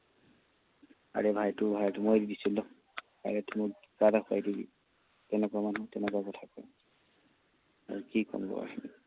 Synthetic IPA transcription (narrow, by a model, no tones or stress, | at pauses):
a̰ɹebʱajtʊbʱajtumojdidisilːɔ | ba̰jatimɔ | ɡadaxʰa̰jdiɡḭ | tɛnɛkuamanutɛnɛkwakɔtʰakɔj | a̰ɹukikɔ̰mbɔ̰a̰hini